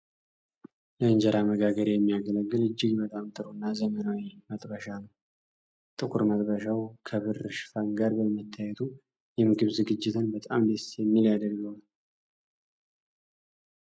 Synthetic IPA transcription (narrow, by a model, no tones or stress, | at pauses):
ləɨɲd͡ʒəɾaməɡaɡəɾjɛmːijaɡələɡːɨlɨd͡ʒːɪɡbət̪ʼamt̪ʰʼɨɾunːazəmənawimət̪ʼbəʃanəw | t̪ʼɨkʰuɾmət̪ʼbəʃawkʰəβɨɾɨʃfaŋɡaɾbəlmət̪ʰːajɛt̪ʰu | jɛmɨɡɨβzɨɡɨd͡ʒːɪt̪ʰɨnbət̪ʼamd̪əsjɛmːiljad̪əɾɡəwl